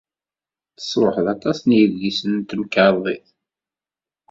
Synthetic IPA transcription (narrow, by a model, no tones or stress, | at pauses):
θə̥sˤɾoħəðɑt̪ˤɑsˤnjəððisənt̪əmkəɾˤðˤiθ